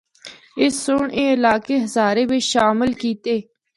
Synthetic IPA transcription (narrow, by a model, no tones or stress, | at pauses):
ɪsoɳẽːɪlaːkeːɦəzaːɾeːbeːʃaːmɪlkiːt̪eː